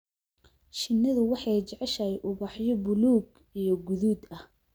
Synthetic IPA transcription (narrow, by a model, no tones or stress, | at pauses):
ʃɪnːɐðʊwɑħɑjt͡ʃɛʕɛʃɐjʔʊβɑħjɔbʊluːɡ | ijɞɡʊðuːd̪ɐh